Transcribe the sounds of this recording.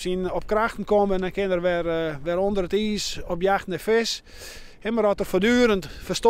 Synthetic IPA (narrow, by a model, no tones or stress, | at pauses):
sinɔp̚kraxtən̩koməndɛnkɪnərʋɛrʋɛɾondəɾətiːsɔpjaxtnɛfɪs | ɛməɾɔtərfodyːɾəntfərst